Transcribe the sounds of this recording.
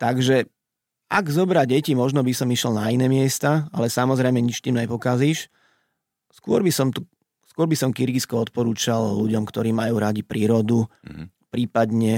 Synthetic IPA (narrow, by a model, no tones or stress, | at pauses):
t̪aɡʒɛ | aɡzɔbɾaɟɛcimɔʒnɔbisɔmiʃɛlnainɛːmɪɛst̪aalɛsamɔzɾɛjmɛɲit͡ʃt̪iːmɲɛpɔkaziːʃ | skʊɔɾbisɔmt̪u | skʊɔɾbisɔmkiɾɡiskɔɔt̪̚pɔɾuːt͡ʃalluɟɔmkt̪ɔɾiːmajuːɾaɟipɾiːɾɔd̪u | pɾiːpad̪ɲɛ